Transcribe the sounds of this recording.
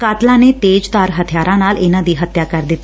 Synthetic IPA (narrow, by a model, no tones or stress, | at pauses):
kaːt̪lãːneːt̪eːd͡ʒt̪aːɾɦət̪ʰɪjaːɾʔãːnaːlɪnãːd̪iːɦət̪jaːkəɾd̪ɪt̪ː